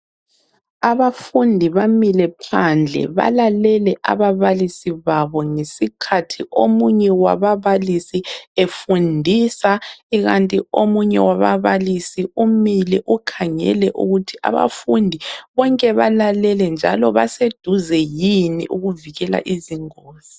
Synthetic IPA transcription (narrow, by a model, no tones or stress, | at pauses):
aβafundʱiβamilɛpʰand͡ɮʱɛ̰βa̰lalɛlɛʔa̰βaβalisiβaβɔŋesikʰatʰiʔomuɲɛwa̰βaβalisiefundʱisaiɣantʼiomuɲɛ̰waβaβalisiumilɛʔukʰaŋɛ̰lɛʔṵɣutʰiʔa̰βa̰fundʱiβɔŋkʼɛβalalɛlɛnd͡ʒʱalɔβa̰sed̥ʱuzɛjinḭʔuɣuviɣɛla̰ʔiziŋoːz̥ii